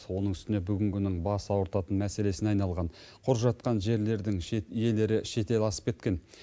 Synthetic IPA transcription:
wo̞nəɴʏst̪ɪne̞bʏɡʲɪŋkʲʰʏnɪŋbɑsəɑwəɾt̪ɑt̪ənmæse̞le̞sɪnɑjnɑlˠʁɑnqʰʊɾʒɑt̪̚qɑnʒe̞ɾle̞ɾd̪ɪŋje̞le̞ɾɪʃe̞t̪e̞lɑsə̥p̚kʲe̞t̪kʲe̞n

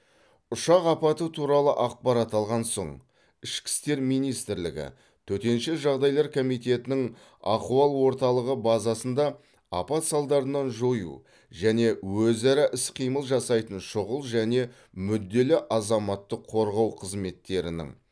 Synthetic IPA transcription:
ʊʃɑqɑpɑt̪ət̪ʰuɾɑlˠəʔɑq̚pɑɾɑt̪ɑlˠʁɑnso̞̰ɴ | ɪʃkʲɪ̥st̪e̞ɾmijnijst̪ɪɾlɪ̰ɡʲɪ̰ | t̪ʰɵt̪e̞nʃɪʒɑʁd̪ɑjlˠɑɾkʰo̞mijt̪e̞t̪ɪnɪŋ | ɑquɑlˠwo̞ɾt̪ɑlˠəʁəbɑzɑsənd̪ɑ | ɑ̰pɑt̪sɑlˠd̪ɑɾənɑnʒo̞jṵ | ʒæne̞wɵzæɾɑʔɪsqʰijməlˠʒɑsɑjt̪ənʃʊʁəlˠʒæne̞ | mʏd̪ːe̞lɪʔɑzɑmɑt̪ːəqʰːo̞ɾʁɑwqʰəzme̞t̪ːe̞ɾɪ̰nɪ̰ŋ

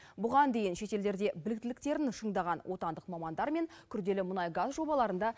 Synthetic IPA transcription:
bʊʁɑnd̪e̞jɪnʃe̞t̪e̞ld̪e̞ɾd̪e̞bɪlɪkt̪ɪlɪk̚t̪e̞ɾɪnʃəɴd̪ɑʁɑnwʔo̞t̪ɑnd̪əqmɑmɑnd̪ɑɾme̞ŋkʲʰʏɾd̪e̞lɪmʊnɑjɡazʒo̞bɑlˠɑɾənd̪ɑ

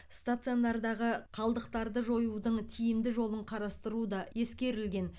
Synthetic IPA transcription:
st̪at̪sɨjond̪ɑɾd̪ɑʁəqʰɑlˠd̪əqt̪ɑɾd̪əʒo̞jud̪əɴt̪ʰijɪmd̪ɪʒo̞lˠəɴqʰɑɾɑst̪əɾud̪ɑje̞skʲe̞ɾɪlɡʲe̞n

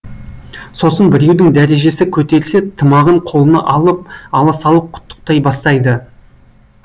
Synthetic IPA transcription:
so̞sənbɪɾe̞wd̪ɪŋd̪æɾe̞ʒe̞sɪkʲʰɵt̪e̞ɾɪse̞t̪ʰːəmɑʁəɴqʰo̞lˠənɑ̰ʔɑlˠəp̚ɑlˠɑsɑlˠəp̚qʰʊ̥t̪ːə̥q̚t̪ɑjbɑst̪ɑjd̪ə

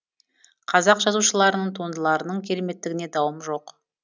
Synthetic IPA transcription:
qʰɑzɑqʒɑzuʃəlˠɑɾənəɴt̪ʰo̞nd̪əlˠɑɾənəɴkʲʰe̞ɾeme̞t̪ːɪɡʲɪne̞d̪ɑwəmʒo̞q

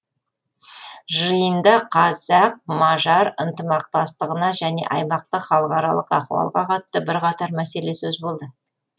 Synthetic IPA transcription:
ʒəjənd̪ɑqʰɑzɑq̚mɑʒɑɾənt̪əmɑq̚t̪ɑst̪əʁənɑʒæne̞̰ʔɑjmɑqt̪əχɑlˠəqɑɾɑlˠəqɑ̰χuɑ̰lˠʁɑqʰɑt̪ə̥t̪əbɪɾqɑt̪ɑɾmæse̞le̞sɵzbo̞lˠd̪ə

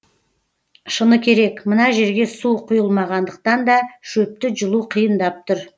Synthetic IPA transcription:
ʃənəkʲʰe̞ɾe̞kmənɑʒe̞ɾɡʲe̞suqʰʊjəlˠmɑʁɑnd̪əq̚t̪ɑnd̪ɑʃɵp̚t̪ɪʒʊlˠuqʰijənd̪ɑp̚t̪ʊɾ

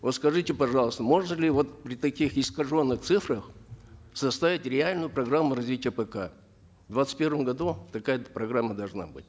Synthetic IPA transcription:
vot̪skɐʐɨtʲɪpɐʐɑlˠəst̪əmo̞ʐnəlʲɪvo̞t̪pɾʲɪt̪ɐkʲixɪskɐʐo̞nːɨxt̪sɨfɾəx | sɐst̪ɐvʲitʲɾʲɪalʲnʊjʊpɾɐɡramːʊɾɐzvʲitʲɪjəpəka | vd̪vat̪sɨ̥t̚ʲpʲe̞rvəmɡɐd̪ut̪ɐkajəpɾɐɡɾamːəd̪ɐlˠʐna̰bɨ̰tʲ

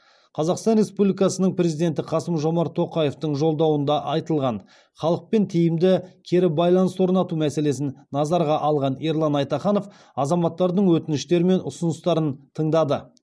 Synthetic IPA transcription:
qʰɑzɑqst̪ɑnɾʲe̞spublʲijkɑsənəɴpɾʲe̞zijd̪e̞nt̪ɪqʰɑsəmʒo̞mɑɾt̪ʰo̞qɑje̞ft̪əɴʒo̞lˠd̪ɑwənd̪ɑʔɑjt̪əlˠʁɑn | χɑlˠəq̚pe̞nt̪ʰejɪmd̪ɪkʲʰe̞ɾɪbɑjlˠɑnəswo̞ɾnɑt̪umæse̞le̞s̬ɪnnɑzɑɾʁɑʔɑlˠʁɑneɾlˠɑnɑjt̪ɑχɑno̞f | ɑzɑmɑt̪ːɑɾd̪əɴwɵt̪ɪnɪʃt̪e̞ɾɪme̞nʊsʊnəst̪ɑɾənt̪ʰəɴd̪ɑd̪ə

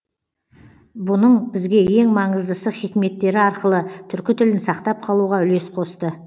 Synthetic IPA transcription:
bʊnəɴbɪzɡʲe̞je̞ŋmɑɴəzd̪əsəχikʲme̞t̪ːe̞ɾɪɑɾqəlˠət̪ʰʏɾkʲɪt̪ʰʏlɪnsɑqt̪ɑp̚qʰɑlˠuʁɑʏle̞sqʰo̞st̪ə

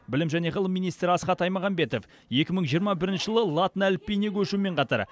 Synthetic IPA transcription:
bɪlɪmʒæne̞ʁəlˠəmːijnijst̪ɾɪɑsqɑt̪ɑjmɑʁɑnbe̞t̪o̞f | je̞kʲɪməɴʒijəɾmɑbɪɾɪnʃɪʒəlˠəlˠat̪ənælpʲːejnekʲʰɵʃumeɴqʰɑt̪ɑ̰ɾ

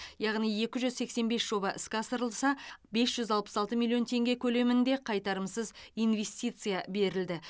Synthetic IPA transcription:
jɑʁnije̞kʲɪʒʏzse̞kse̞nbe̞sʒo̞bɑʔɪskʲɑsəɾəlˠsɑbe̞sʒ̥ʏzɑlˠpə̥sɑlˠt̪əmilʲˠio̞nt̪ʰe̞ŋɡʲe̞kʲʰɵle̞mɪnd̪e̞qʰɑjt̪ɑɾəmsəzijnve̞st̪ʲijt̪sɨjabe̞ɾɪld̪ɪ

